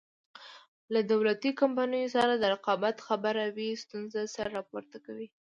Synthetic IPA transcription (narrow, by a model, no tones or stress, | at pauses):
lad̪awlat̪ikampanəjosaɾad̪əɾaqɑbat̪xabaɾawist̪unzasaɾɾɑpoɾt̪akawi